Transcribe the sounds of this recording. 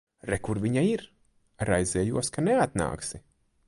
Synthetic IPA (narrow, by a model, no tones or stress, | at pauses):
ɾɛkuɾvʲiɲaiɾ | ɾajzɛːjuɔskaneat̪na̰ːksi